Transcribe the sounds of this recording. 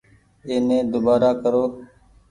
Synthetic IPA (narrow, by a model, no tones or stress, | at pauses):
eːnẽːd̪obaːɾaːkəɾoː